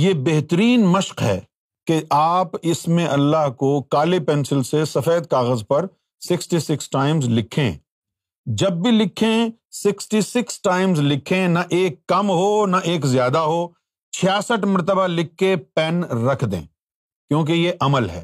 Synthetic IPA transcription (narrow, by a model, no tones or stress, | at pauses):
jeːbeɦt̪əɾiːnmɐʃqɦɛ̰ː | keʔaːpɪsmẽʔɐlːaːɦkokaːlepɛːnsɪlsesɐfeːd̪̚kaːɣəzpɐɾ | sɪksʈisɪksʈaːɪmzlɪkʰḛ̃ | d͡ʒɐbːilɪkʰẽsɪksʈisɪksʈaːɪmzlɪkʰẽnɐʔeːkːɐmɦonɐʔeːkzjaːd̪aɦoː | t͡ʃʰɪjaːsəʈmɐɾt̪əbalɪkʰːepɛnɾɐkʰd̪ḛ̃ː | kjõːk̬ejeʔɐməlɦɛ̰ː